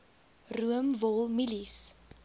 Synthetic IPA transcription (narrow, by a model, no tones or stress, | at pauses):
ruəmvɔlˠmilis